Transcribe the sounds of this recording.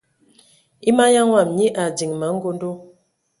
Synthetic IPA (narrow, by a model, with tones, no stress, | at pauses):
i˦ma˦ja˦ŋwa˦˨mɲi˦ʔa˨di˨ŋma˨˦ŋ̩˦ɡo˦ndo˦